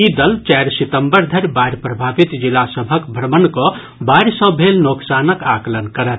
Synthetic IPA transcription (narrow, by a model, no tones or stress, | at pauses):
id̪əlt͡ʃaɾsit̪əmbəɾd̪ʱəɾbaɾʲpɾəbʱabit̪d͡ʒilasəbʱəkbʱɾəmənko | baɾsə̃bʱelnoksanəkaklənkəɾət̪